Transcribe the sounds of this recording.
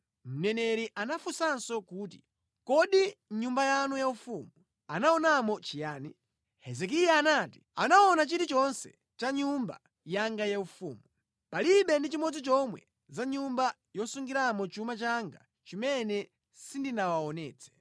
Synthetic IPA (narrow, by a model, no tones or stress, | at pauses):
m̩nɛnɛɾiʔanafusansɔkuːti̥ | kɔɗiɲumbajanujaufuːmu | anaɔnamɔt͡ʃijaːni | hɛzɛk̬ijaːnati̥a̰naɔnat͡ʃitit͡ʃɔnsɛ̰ | t͡ʃaɲumba̰ | jaŋɡajaufṵːmu | paliɓɛndit͡ʃimɔd͡zit͡ʃɔmwɛ̰ | zaɲumba | jɔsuŋɡiɾamɔt͡ʃumat͡ʃaŋɡa | t͡ʃimɛnɛ | sindinawaɔnɛːt͡sʰɛ̥